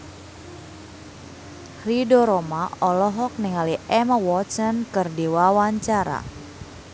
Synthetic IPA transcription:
ridɔɾɔmaɔlɔɦɔk̚nɪŋaliʔɛmawɔt̪sənkɨrdiwawaɲt͡ʃaɾa̰

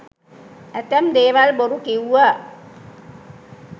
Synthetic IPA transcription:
æt̪ɛmd̪eːʋalboɾukiwːa

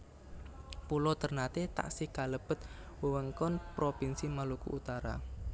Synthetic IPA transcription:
pulot̪ərnat̪et̪a̰ʔsikaləb̥ət̪ | wəwəŋkɔnpɾopinsimalukṵːt̪aɾa̰

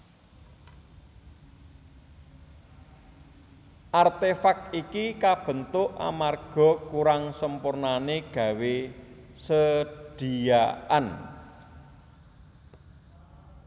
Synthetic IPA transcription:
ʔart̪efak̚ikikab̥ə̤nt̪ʊʔa̰marɡ̥ɔ̤kuɾaŋsəmpurnaneɡ̥ä̤wesədɖ̥i̤jaʔa̰n

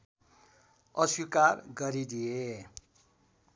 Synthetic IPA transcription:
ʌswikarɡʌɾid̪ie

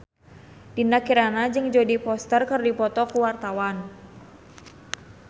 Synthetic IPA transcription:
d̥inakiɾanad͡ʒɨŋd͡ʒodipɔst̪ərkərdipɔt̪ɔkuwart̪awan

